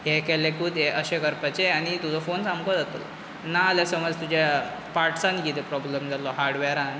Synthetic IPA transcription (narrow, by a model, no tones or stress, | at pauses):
ɦekɛlekud̪eʔəɕekəɾpat͡ɕeaɽ̃it̪ud͡zɔfonsamkɔd͡zat̪o̰l̰ | naːljasəməd͡zt̪ud͡ʑa | paɾʈsanikit̪epɾɔblemd͡zalɔɦaɾɽʋɛɾãn